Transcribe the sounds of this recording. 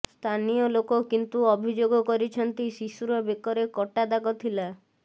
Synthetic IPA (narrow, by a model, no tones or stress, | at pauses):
st̪ʰanijɔlokokint̪uɔbʱid͡ʒoɡɔkɔɾit͡ʃʰɔnt̪isisuɾɔbekɔɾekɔʈad̪aɡɔt̪ʰila